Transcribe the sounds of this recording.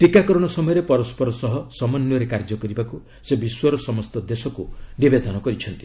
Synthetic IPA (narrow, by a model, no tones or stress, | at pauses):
ʈɾikakɔɾɔɽ̃ɔsɔmɔjɔɾepɔɾɔspɔɾɔsɔɦɔsɔmɔnjɔɾekaɾd͡ʒɔkɔɾibaku | sebiswɔɾɔsɔmɔst̪ɔd̪esɔkunibed̪ʱɔnɔkɔɾit͡ʃʰɔnt̪i̥